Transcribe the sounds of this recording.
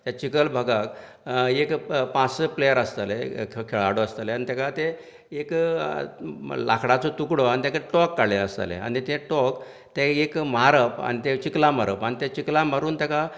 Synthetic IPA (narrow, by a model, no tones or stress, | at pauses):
t̪jat͡ɕikəlbʱəɡak | ekpãsplejəɾəst̪alekʰeɭaɽoəst̪aleanit̪akat̪eː | k | la̰kʰɽat͡sɔt̪ukɽoanit̪jakaʈɔkːaɽleəst̪a̰lḛa̰nit̪eʈɔk | t̪eekməɦaɾəpa̰nit̪et͡ɕiklaməɾəpanit̪et͡ɕiklaməɾuːnt̪aka